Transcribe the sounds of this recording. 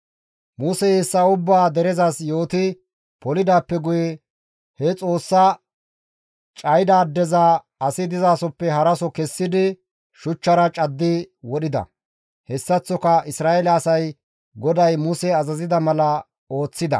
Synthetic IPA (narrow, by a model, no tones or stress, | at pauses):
musɛheːsːɐʊbːaːd̪ɛɾɛzasjo̞ːt̪ɪ | pɔlɪd̪aːpːɛɡʊjɛ | hɛt͡sʼo̞ːsːɐ | t͡ʃʼɐjd̪aːd̪ːɛzɐ | ɐsɪd̪ɪzaːsɔpːɛɦɐɾɐsɔkɛsːɪd̪ɪ | ʃʊt͡ʃːɐɾɐt͡ʃʼɐd̪ːɪwɔɗɪd̪ɐ̰ | hɛsːɐt͡sːɔkɐɪsɾaːɛlɛsɐj | ɡɔd̪ɐjmusɛɐzɐzɪd̪ɐmɐlɐ | o̞ːt͡sːɪd̪ɐ̰